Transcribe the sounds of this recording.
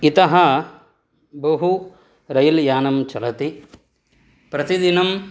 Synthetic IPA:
it̪ɐɦɐ | bɐɦu | ɾɐjɐljaːnɐmt͡ʃɐlɐt̪i | pɾɐt̪id̪inɐm

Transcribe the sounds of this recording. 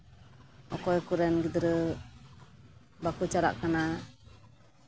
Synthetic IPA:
ʔɔkɔjkuɾɛnɡid̪əɾə | bakut͡ʃaɾa̰ʔkana

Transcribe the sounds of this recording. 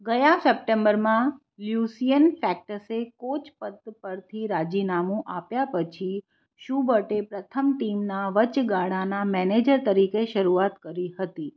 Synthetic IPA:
ɡəjãsəp̚ʈẽmbəɾmã | ljusijənfɛk̚ʈəsekot͡ʃpəd̪̚pəɾt̪ʰiɾad͡ʒinamũʔapjapət͡ʃʰi | ʃubəʈepɾət̪ʰəmʈimnaʋət͡ʃɡaɽanamɛned͡ʒəɾt̪əɾikeʃəɾuat̪kəɾihət̪i

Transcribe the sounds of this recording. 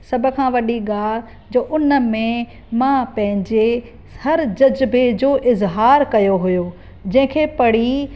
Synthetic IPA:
sɐbʱʊ̆kʰãːʋɐɗiɡaːl | d͡ʑoːʔʊnəmẽ | mãpɐ̃ɦɪ̃ɲd͡ʑe | hɐɾd͡ʑɐd͡ʑbed͡ʑoːʔɪzɦaːɾkɐjoɦʊjoː | d͡ʑɐ̃ɦɪ̃kʰeːpɐɽ̤i

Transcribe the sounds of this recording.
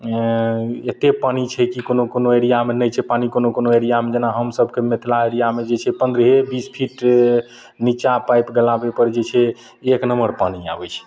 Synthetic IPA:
et̪epanit͡ʃʰɛkikonokonoeɾijamenəjt͡ʃʰɛpanikonokonoeɾijamed͡ʒenaɦəmsəbʱkemet̪ʰlaeɾijamed͡ʒet͡ʃʰɛpənd̪ɾəɦebispʰiʈ | nit͡ʃapajpɡəlabepəɾd͡ʒet͡ʃʰɛː | knəməɾpania̰bɛt͡ʃʰɛ̥

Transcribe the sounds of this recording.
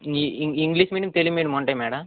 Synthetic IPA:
iiŋɡliːsmiːʈiŋt̪elimiːɽɐmuɳʈaːjmɛːɽɐm

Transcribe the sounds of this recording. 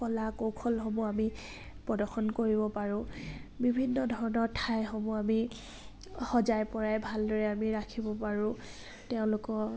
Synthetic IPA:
pɔlakowkʰɔlxɔmuami | pɹɔdɔɹxɔnkoɹibɔpaɹʊ̃bibʱinːɔdʱɔɹɔnɔɹtʰajxɔmuami | xɔzajpɔɹajbʱaldɔɹɛamiɹakʰibɔpaɹʊ̃ | teʊ̃lʊkɔ

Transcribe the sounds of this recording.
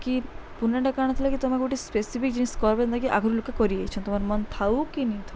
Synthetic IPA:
kipunːaɳɖakaɽ̃ɔt̪ʰilakit̪ɔmaɡoʈispesifik̚d͡ʒiniskɔɾbend̪akiʔa̰ɡʱuɾilukakɔɾiejt͡ʃʰɔnt̪ɔmaɾmɔnt̪ʰawkinit̪ʰ

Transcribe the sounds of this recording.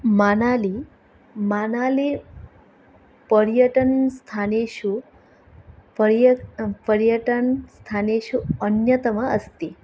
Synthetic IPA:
manali | manale | pəɾjəʈənst̪ʰaneʃu | pəjpəɾjəʈənst̪ʰaneʃuənjət̪əməəst̪i

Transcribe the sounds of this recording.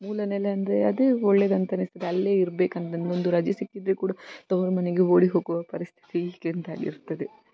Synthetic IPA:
muːlɐnɛlːɐɐnd̪ɾeɐd̪eɔɭːed̪ɐnt̪ɐnist̪ɐd̪eɐlːe̞ːiɾbe̞ːkɐnd̪ind̪ond̪uɾɐd͡ʒjɐsikːid̪ɾekuːɽɐt̪ɐʋɾɐmɐneɡeo̞ːɽiɦo̞ːɡuʋɐpɐɾist̪ʰi̥t̪iikent̪aːɡḭɾt̪ːɐd̪e

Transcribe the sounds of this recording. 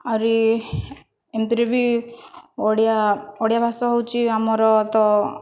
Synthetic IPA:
aɾi | emt̪iɾebi | oɽijaoɽjabʱasɔɦɔwt͡ʃʰiamɔɾɔt̪ɔ

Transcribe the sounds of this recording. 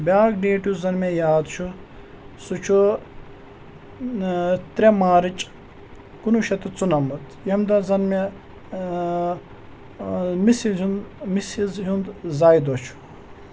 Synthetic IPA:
bʲaːkɖeːʈjuzɐnmejaːd̪t͡ʃʰu | sut͡ʃʰu | t̪ɾʲemaːɾit͡ʃʼ | kunuʃɐt̪ut͡sunɐmut̪jɐmd̪ɐzɐnme | misiunmisizɦund̪zajd̪ot͡ʃʰu̥

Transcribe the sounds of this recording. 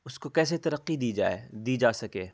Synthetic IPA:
ʊskokɛːset̪ɐɾəqːid̪iːd͡ʒa̰ːḛd̪iːd͡ʒaːsɐkeː

